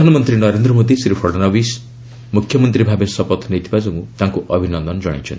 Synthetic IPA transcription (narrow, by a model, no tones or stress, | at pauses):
d̪ʱanɔmʌnt̪ɾinʌɾend̪ɾɔmod̪isɾipʰɔɖnʌʋis | mukʰjmʌnt̪ɾibʱabesɔpɔt̪ʰnet̪ibad͡zɔmũt̪ãŋkuʔʌbʱinɔnd̪ɔnd͡ʒʌ̰ɽ̃ḛt͡ʃʰɔ̰ni